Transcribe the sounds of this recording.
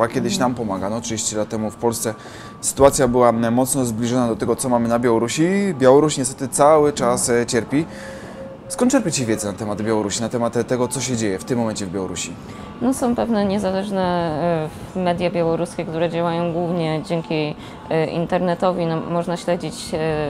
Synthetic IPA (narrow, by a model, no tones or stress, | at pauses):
akʲjɛd̪ɘɕnampɔmaɡanɔtʂɨd͡ʑeɕt͡ɕilat̪ːɛmufpɔlst̪sɛ | sɘ̥t̪uat̪sʲjabɘwamɔt̪snɔzblʲiʐɔnad̪ɔt̪ɛɡɔt̪sɔmamɘnabʲjawɔɾuɕibʲjawɔɾuɕɲɛst̪ɛt̪ɘt̪sawɘt͡ʂast͡ɕɛɾpʲi | skɔnt̪t͡ʃɛɾpʲat͡ɕivʲjɛd̪zɛnat̪ɛmad̪bʲjawɔɾuɕinat̪ɛmat̪t̪ːɛɡɔt̪sɔɕɛd͡ʑejɛft̪ɘmːɔmɛɲt͡ɕɛvbʲjawɔɾuɕi | nɔsɔ̃w̃pɛvnɛɲɛzalɛʐnɛ | vmɛd̪jabʲjawɔɾuskʲɛkt̪uɾɛd͡ʑawajɔ̃w̃ɡwuvɲɛd͡ʑɛŋkʲi | ʔḭnt̪ɛɾnɛt̪ɔvʲinɔːɔʐnaɕlɛd͡ʑit͡ɕ